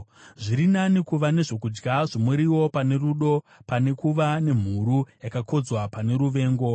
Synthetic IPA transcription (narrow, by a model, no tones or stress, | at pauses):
ʐiɾinanikuʋane̞ʐo̞kud͡ʒɡaʐomuɾiwo̞pane̞ruɗo̞ | pane̞kuʋane̞m̤uɾujakako̞d͡zwapane̞ɾuʋe̞ːŋɡo̞